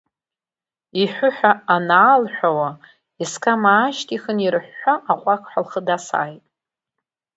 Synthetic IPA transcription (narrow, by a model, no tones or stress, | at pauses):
iħʷʊħʷᶣaanaːlħʷᶣawa | iskʰʼamaːʃtʰʼiχənirħʷːaʔaχʷʼakʷʰʼħʷalχədasa̰ːjtʼ